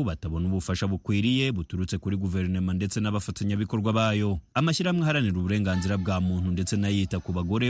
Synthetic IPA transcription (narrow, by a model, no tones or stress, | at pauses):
βataβo̞nuβufaʃaβukwiːɾije̞βutuɾut͡sekuɾiɡuve̞ɾnomande̞t͡se̞naβafataɲaβiko̞ɾɡwaβaːjo̞amaʃiɾamŋeɦaɾaniɾuβuɾe̞ːŋɡaːnziɾab̚ɡaːmuːn̥hunde̞t͡se̞najitakuβaɡo̞ɾe̞